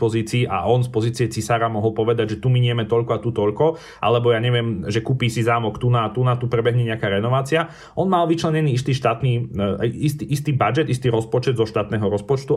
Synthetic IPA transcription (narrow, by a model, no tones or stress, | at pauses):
pɔziːt͡siːʔa̰ʔɔnspɔziːt͡siɛt͡sisaːɾamɔɦɔlpɔʋɛd̪aɟʒɛt̪umiɲɪɛmɛt̪ɔʎkɔat̪ut̪ɔʎkɔ | ʔa̰lɛbɔjaɲɛʋɪɛmʒɛkuːpiːsizaːmɔkt̪unat̪unat̪upɾɛbɛɦɲɛɲɛakaːɾɛnɔʋaːt͡sia | ʔɔnmalʋit͡ʃlɛɲɛniːist̪iːʃt̪aːt̪niːaist̪iʔist̪iːbad͡ʒɛd̪ist̪iːɾɔspɔt͡ʃɛd̪zɔʃt̪aːt̪nɛːɦɔɾɔspɔt͡ʃt̪u